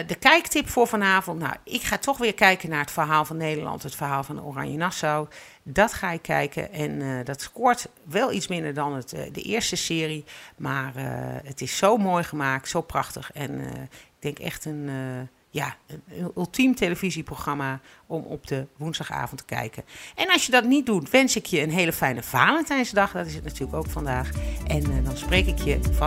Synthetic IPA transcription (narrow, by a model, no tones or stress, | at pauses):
dəkɛjktɪpfʊːɹvɑnaːvɔntna̰wɪkχaːtʰɔχʋɪːɹkɛjkənaːɹətfəɹɦaːlˠvɑnːejdəɹlɑ̰ntɦətfəɹɦaːlˠvɑndəo̰rɑ̰ɲjənɑsow | dɑtχaːɪkːɛ̰jkʰə̰ʔɛndɑtskɔɹtʋɛlˠitsmɪndəɹdɑnətdə̰ʔɪːəɹstəsɪːrimaːrə̰ətɪsːowmoːjχəmaːk̚tsowprɑχtəχɛn̰ɪɡ̥̚dɛŋkɛ̰χtən | jaːənʏlˠtʰimteləviziproxχrɑma | ɔmɔ̰p̚dəʋunzdɑχa̰ːvɔntə̥kɛ̰jkəʔɛnɑlˠsjədɑtnit̚dutʋɛnsɪkʰjəənɦejləfɛjnəv̥aːləntɛjnsədɑχdɑtɪsətnatyːɹləkowkfɑndaːxʔɛndɑnsprejkɪkʰjəf